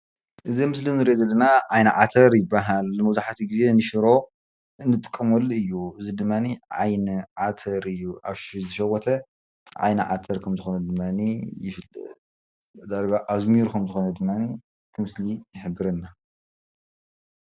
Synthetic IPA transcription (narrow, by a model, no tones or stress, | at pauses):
ʔɨzimɨslinɨɾʔezɐlːɐnaʕajnɐʕat̪ʰɐɾjɪbːaɦalmɐwzaħat̪ʰiɡize̞nɨʃɪɾo̞ | ɨnːɨt̪ʼɨ̥kʼːɐmulɨjːuʔɨzid̪ɨmːaniʕa̰jnɨʕat̪ʰɐɾɨjːuʔa̰βʃizɨʃɐwɔt̪ʰɐ | ʕa̰jnɨ̰ʕa̰t̪ʰɐɾkʰɐmzɨxo̞nɐd̪ɨmːanijɪfɨl̰d̪ | d̪aɾɡaʔazmiɾkʰɐmzɨxo̞nɐd̪ɨmːani | t̪ʰɨmɨslijɪħɨbːɨɾɐnːa